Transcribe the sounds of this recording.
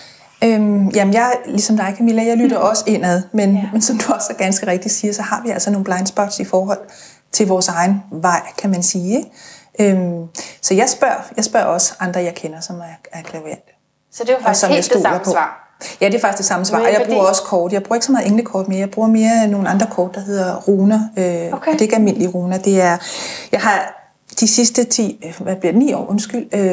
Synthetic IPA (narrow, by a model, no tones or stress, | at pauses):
ømjæmenjɑ̈ɪlisɒ̽md̥ɑ̈ɪkʰæmilæjɑ̈ɪlyd̥ɐʔɒ̽səe̝n̰æðˠmenmensɒ̽md̥uɒsɒɡ̥ænsɡ̥əʁɛɡ̥̚d̥isiːɐsɒ̽hɑ̈ʋiæl̰sɐno̝ːn̩b̥lɑ̈ɪnsb̥ɒ̽d̥sifɒːɦɒ̽l̰ | t͡sʰe̝lʋɒːsɑ̈ɪn̩ʋɑ̈ɪ̰kʰæmænsiːeɡ̥ʔømsɒ̽jɑ̈ɪsb̥ɶɐ̰jɑ̈ɪsb̥ɶɐ̰ɒ̽səɑ̈nd̥ʁɐjɑ̈ɪkʰenɐsɒ̽mæɐæɐkʰlɛʊjed̥ | sd̥efsɒ̽mjaɪsd̥o̰ːlɐpʰɒ̰̽ | jæd̥e̝fɑ̈ɡ̥isd̥esɑ̈məsʋɑ̰̈jɑ̈ɪbʁuːɐɒ̽sə̥kʰɒːd̥jɑ̈ɪb̥uɐeɡ̥sɒmɑ̈ð̩ˠeŋləkʰɒːd̥̚meɐjɑɪb̥ʁuːɐme̝ːɐno̝ːn̩ɑ̈nd̥ʁɐkʰɒːd̥ːɑ̈ɦe̝ð̰ˠɐʁuːnɐød̥e̝e̝ɡ̥ælme̝n̰liəʁuːnɐd̥e̝æɐjɑ̈ɪɦɑ̈ | d̥isisd̥ət͡sʰḭːʋæb̥liɐd̥enḭːɒ̰ːʔɔ̽nsɡ̥yl̰ø